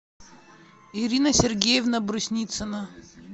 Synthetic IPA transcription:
iɾʲinəsʲɪrɡʲejɪvnəbɾʊsʲnʲit̪sɨnə

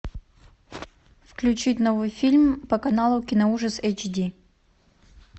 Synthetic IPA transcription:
fklʲʉt͡ɕitʲnovɨjfʲilʲmpəkɐnalˠʊkʲɪnəuʐəsejt͡ɕdʲi

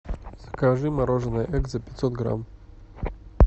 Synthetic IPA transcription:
z̥ɐkaʐɨmaɾɔʐənɐjʔɛk̪zɐpʲɪ̥t̪ʲsɔt̪̚ɡɾa̰m

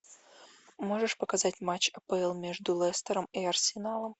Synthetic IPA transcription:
moʐɨʂpəkazatʲmat͡ɕɐpəɛlˠmʲeʐd̪ʊlˠɛst̪əɾəmiɐrsʲɪnalˠəm

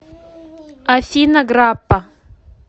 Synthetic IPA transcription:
afinaɡɾapa

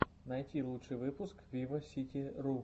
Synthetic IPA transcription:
nɐjtʲilˠutʂɨjʋɪpʊskʋʲiʋɐsʲitʲiɾu

